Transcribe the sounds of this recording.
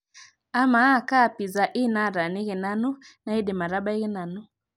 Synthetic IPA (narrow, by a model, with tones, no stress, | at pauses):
a˦ma˨˦˨ka˦˨pi˨za˨ʔi˦˨na˦˨ɾa˨ni˦ɣe˨na˦nu˦na˨i˦de˨ma˨ɾa˦ba˦i˦ɣɪ˦na˨nʊ˦